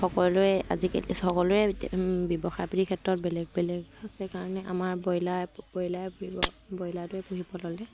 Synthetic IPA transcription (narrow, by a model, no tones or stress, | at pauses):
xɔkɔllʊɛa̰ziksɔkɔlʊɹɛbɔbɔxajpiɹikʰɛtɹɔt̚bɛlɛɡ̚bɛlɛɡasɛkaɹɔnɛʔa̰maɹbɔjlajbɔjlajpibɔbɔjlajtʊɛpuɦibɔlɔlɛ